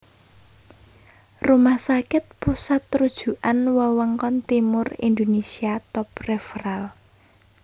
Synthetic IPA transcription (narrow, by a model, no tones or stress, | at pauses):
rumahsakɪt̪̚pusat̪ɾud̥ʒ̥ṳʔanwɔwəŋkɔnt̪imʊrḭnd̪onesiat̪ɔp̚rɛfral